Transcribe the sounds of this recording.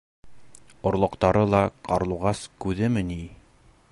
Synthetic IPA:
ŏɾlˠŏqt̪ɑɾɤlˠɑqɑɾlˠuʁɑskʉðɘmɘni

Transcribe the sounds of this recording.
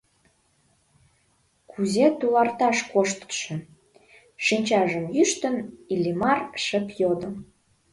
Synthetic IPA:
kʰuzet̪ulɑrt̪ɑʃkoʃt̪ʃə̆ | ʃinʲt͡ɕɑʒəmjyʃt̪ə̆nilʲimɑrʃəpjod̪əm

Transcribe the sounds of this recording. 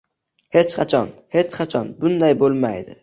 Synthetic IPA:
he̞t͡ʃqʰɑt͡ʃʰɒnhe̞t͡ʃqʰɑt͡ʃʰɒnbʊnd̪ajbolˠma̰jd̪ɪ

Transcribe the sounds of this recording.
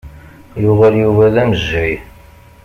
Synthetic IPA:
jʊʁæɾjuvæðæməzɾi

